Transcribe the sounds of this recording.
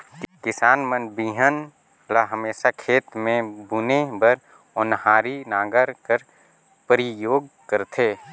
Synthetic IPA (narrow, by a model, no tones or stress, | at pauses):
kɪsaːnmənbiːɦən | laɦəmeːsakʰeːt̪mẽbʊnebəɾ | ʊnɦaːɾinaːɡəɾkəɾ | pəɾɪjoːɡ̚ | kəɾt̪ʰeː